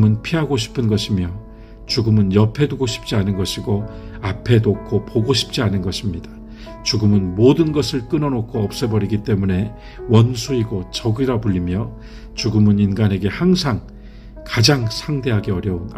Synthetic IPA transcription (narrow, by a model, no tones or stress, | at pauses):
mɯnpʰiɦaɡoɕʰi̥pʰɯnɡʌɕʰimjʌ | t͡ɕuɡɯmɯnjʌpʰe̞duɡoɕʰi̥p̚t͡ɕ͈ianɯnɡʌɕʰiɡoapʰe̞nokʰopoɡoɕʰi̥p̚t͡ɕ͈ianɯnɡʌɕʰimɲidḁ | t͡ɕuɡɯmɯnmodɯnɡʌsʰɯɭk͈ɯnʌnokʰoʌp̚s͈ebʌɾiɡit͈e̞mune̞ | wʌnsʰuiɡot͡ɕʌɡiɾapuʎːimjʌ | t͡ɕuɡɯmɯninɡanɦe̞ɡe̞haŋsʰaŋ | kad͡ʑaŋsʰaŋde̞ɦaɡeʌɾjʌun